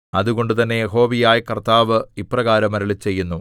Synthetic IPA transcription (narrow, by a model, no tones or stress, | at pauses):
ɐðuɣo̞ɳɖut̪ɐnːe̞jeɦo̞ːʋijaːjkɐrt̪aːʋɨiprɐɣaːɾɐmɐɾɐɭit͡ɕe̞jːunːu